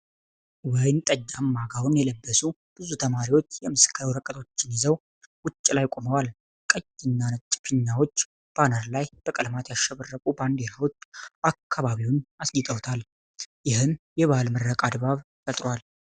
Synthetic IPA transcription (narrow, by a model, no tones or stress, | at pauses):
wɔjnt̪ʼəd͡ʒːamːaɡawʊnjɛləbːəsu | b̥ɨzut̪ʰəmaɾiwo̞t͡ʃːjɛmɨskʰːəɾwɾəkʼət̪ʰo̞t͡ʃːɪnjɪzəw | wʊt͡ʃʼːɪlajkʼo̞məwal | kʼəjɪnːanət͡ʃʼːɪfiɲːawo̞t͡ʃː | b̥anəɾlajb̥əkʼəlmat̪jaʃɛβərːəkʼuband̪elawo̞t͡ʃːakʰːaβaβiwnasɡɪt̪ʼəwt̪ʰal | jɪhɨmjɛβalmɨrːəkʼad̪baβ | fət̪ʼɾwal